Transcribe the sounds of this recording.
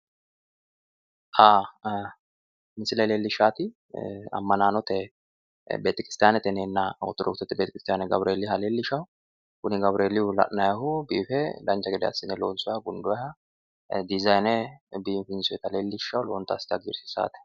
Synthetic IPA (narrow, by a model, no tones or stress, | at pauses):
ʔaː | mɪsɪlɐjleːlːɪʃːaːt̪ɪ | ɐ̰mːɐnaːnɔt̪ɛ | beːt̪ɪkɾɪst̪jaːnɛt̪ɛneːnːawɔ̰t̪ːɔɾɔ̰kt̪ɔt̪ːɛbet̪ːɪkɾɪst̪ɪjaːnɛɡɐbɾʔeːlːɪhɐleːlːɪʃɐwʊ | kʊnɪɡɐbɾʔeːlɪʊlɐ̰ʔnɐjɐɦʊbiːfɛlɐnt͡ʃːɐɡɛd̪ɛɐ̰sːɪnɛloːnsʊɐɡʊnd̪ʊɛhɐ | d̪ɪzɐjnɛbiːmfɪnsʊɛt̪ɐleːlːɪʃːɐwloːnt̪ɐ̰st̪ɪɐɡd͡ʒɪɾsɪ̥sa̰ːt̪ɛ̥